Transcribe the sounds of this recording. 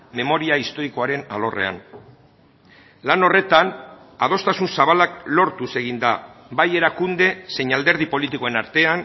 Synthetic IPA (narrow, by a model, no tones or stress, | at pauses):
me̞mo̞ɾiaist̪o̞ɾiko̞aɾe̞na̰lo̞re̞̰a̰n | lano̞re̞t̪an | aðo̞st̪asunsaβalaklo̞ɾt̪use̞ɣ̞ind̪abaje̞ɾakund̪e̞se̞ɲald̪eɾð̞ipo̞lit̪iko̞e̞naɾt̪e̞an